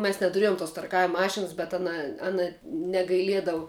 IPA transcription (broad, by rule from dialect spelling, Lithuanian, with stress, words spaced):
mʲɛs nʲɛtʊˈrʲiɛjʊm toːs tɐrˈkɑːʋʲɪm ˈmɑːʃʲɪnɐs bʲɛt ˈɑːnɐ ˈɑːnɐ nʲɛɡɐɪˈlʲiɛdɐʋʊ